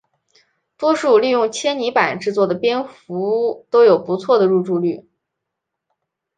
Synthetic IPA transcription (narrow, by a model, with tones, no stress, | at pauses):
t̪wɔ˥ʂu˥˧ly˥˧jʊ˥˩ŋt͡ɕʰjɛ˥nni˧˥pa˨˩nʈ͡ʂɻ̩˥˧t͡swɔ˥˩d̪ə˩pjɛ˥nfu˧˥˩t̪o˥ʊjo˨˩ʊpu˧˥t͡sʰwɔ˥˩d̪ə˩ɻu˥˧ʈ͡ʂu˥˧ly˥˩